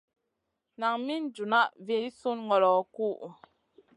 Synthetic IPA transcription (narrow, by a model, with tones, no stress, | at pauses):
na˨ŋmi˦n˨d͡ʒu˨na˦ʔvi˦su˦nŋɔ˨ɾɔ˨˦ku˦ʔ